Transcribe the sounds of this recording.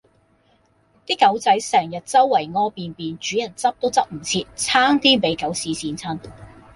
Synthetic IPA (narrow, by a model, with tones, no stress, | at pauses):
t̪iː˥kɐ˨˥wt͡sɐ˨˥jsɛː˨˩ŋjɐ˨t̚t͡sɐ˥wːɐ˨˩jŋɔː˧piː˨npiː˨nt͡ʃyː˨˧˥jɐ˨˩nt͡sɐ˥p̚t̪o˥wt͡sɐ˥k̚m̩˨˩t͡sʰiː˧t̚t͡sʰaː˥ŋt̪iː˥me˨˧jkɐ˨˥wsiː˧siː˧nt͡sʰɐ˥n